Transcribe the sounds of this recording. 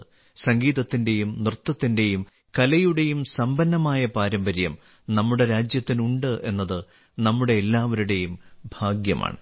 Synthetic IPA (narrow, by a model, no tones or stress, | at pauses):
sɐŋɡiːðɐt̪ːinde̞jumnrɨt̪ːɐt̪ːinde̞jum | kɐlɐjuɽe̞jumsɐmbɐnːɐmaːjɐpaːɾɐmbɐɾjɐm | nɐmːuɽe̞ɾaːd͡ʑjɐt̪ːinuɳɖɨʔe̞̰nːɐðɨ | nɐmːuɽe̞ːlːaːʋɐɾuɽe̞jumbʱaːɡjɐmʔa̰ːɳɨ